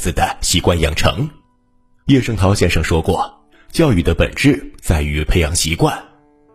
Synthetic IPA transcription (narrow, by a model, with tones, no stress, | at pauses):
t͡sɹ̩˨˩d̪ə˦ɕi˧˥kwa˥˧njɑ̰˨˩ŋʈ͡ʂʰɤ̰˧˥ŋ | jɛ˥˧ʂɤ˥ŋt̪ʰɑ˧˥ʊɕjɛ˥nʂɑ˥˧˩ŋʂwɔ˥kwɔ̰˥˩ | t͡ɕjɑ˥˧ʊy˨˩d̪ə˦pə̰˨˩nʈ͡ʂɻ̩˥˩t͡sa˥˩ɪy˧˥pʰe˧˥ɪjɑ˧˥ŋɕi˧˥kwa˥˩n